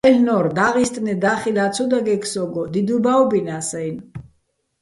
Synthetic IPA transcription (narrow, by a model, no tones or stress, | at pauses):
ɛlnɔɾd̪aʁist̪ʼnɛd̪aχid̪at̪t͡sʰɔd̪aɡɛksɔɡɔd̪id̪ubaubinasɛjn